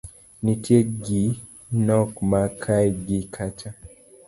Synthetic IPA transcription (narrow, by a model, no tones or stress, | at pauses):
nitʰjeɡi | nɔkmakʰajɡikʰat͡ʃa